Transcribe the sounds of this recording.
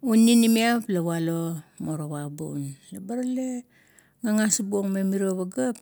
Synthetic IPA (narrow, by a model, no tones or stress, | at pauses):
unːinimiaplawalo̞moɾowabṵnlabaɾale | ŋaŋasbuoŋmemiɾoβaɡap̚